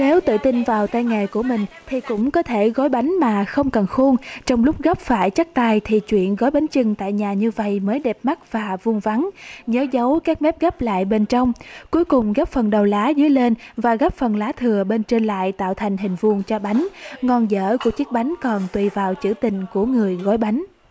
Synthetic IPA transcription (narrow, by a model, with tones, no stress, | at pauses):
ne˨˦wt̪ɨ̰˧˨t̪ï˧nvaː˨˩wt̪aː˧jŋa˨˩jku˧˩əmï˨˩ŋ̟t̪ʰi˨˩kʊ̰˧˥ŋ͡mkɔ˨˦t̪ʰe˧˩ɣɔ˨˦jɓa˨˦jŋ̟maː˨˩xə˧wŋ͡mkə˨˩nxu˧əŋt͡ɕɔ˧wŋ͡mlʊ˦˥k͡p̚ɣɔ˦˥p̚faː˧˩jt͡ɕa˦˥k̚t̪aː˧jt̪ʰi˨˩t͡ɕwḭ˧˨ənɣɔ˨˦jɓa˨˦jŋ̟t͡ɕɨ˨˩ŋt̪a̰ː˧˨jɲaː˨˩ɲɨ˧və̰˧˨jməː˨˦jɗɛ˨˩p̚ma˦˥k̚v̥aː˨˩vu˧əŋva˨˦nɲəː˨˦zə˨˦wkaː˦˥k̚mɛ˦˥p̚ɣɔː˦˥p̚la̰ː˧˨jɓe˧nt͡ɕɔ˧wŋ͡mku˨˦əjkʊ˨˩ŋ͡mɣɔ˦˥p̚fə˨˩nɗə˨˩wlaː˨˦zɨ˨˦əjle˧nvaː˨˩ɣɔː˦˥p̚fə˨˩nlaː˨˦t̪ʰɨ˨˩əɓe˧nt͡ɕe˧nla̰ː˧˨jt̪a̰ː˧˨wt̪ʰjŋ̟ɦï˨˩ŋ̟vu˧˩əŋt͡ɕɔ˧ɓa˨˦jŋ̟ŋɔ˧nzə̰ː˧˩ku˧˩ət͡ɕɨ˦˥ək̚ɓa˨˦jŋ̟kɔ˨˩nt̪wi˨˩vaː˨˩wt͡ɕɨ̰˧˩t̪ï˨˩ŋ̟ku˧˩əŋɨ˨˩əjɣɔ˨˦jɓa˨˦jŋ̟